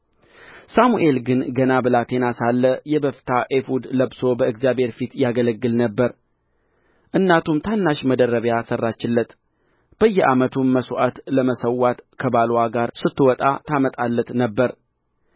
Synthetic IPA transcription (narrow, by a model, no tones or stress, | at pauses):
samuʔe̞lɡɨnɡənabɨlat̪enasalːəjɛbəft̪ʰaʔefud̪ləbso̞bəɨɡzjabhe̞ɾfit̪jaɡələɡːɨlnəbːəɾ | ʔɨnːat̪ʰumt̪ʰanːaʃməd̪ərəβjasərːat͡ʃːɪlːət̪ | b̥əjːɛʔamət̪ʰumːəsoʔat̪ləməsəwːat̪kʰəbalwaɡaɾsɨt̪ːɨwɔt̪ʼa̰t̪ʰamət̪ʼalːət̪nəbːəɾ